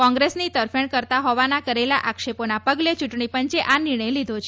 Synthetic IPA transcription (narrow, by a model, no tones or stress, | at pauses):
kɔ̃ŋɡɾesnit̪əɾfeɳkəɾt̪aɦɔʋanakəɾelaʔakʂeponapəɡlet͡ʃuʈɳipəɲt͡ʃeʔanɪɾɳ̃əjlid̪ʱot͡ʃʰe